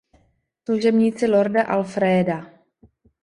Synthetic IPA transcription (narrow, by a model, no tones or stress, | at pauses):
sluʒɛbɲiːt͡sɪloɾdaʔalfɾɛːda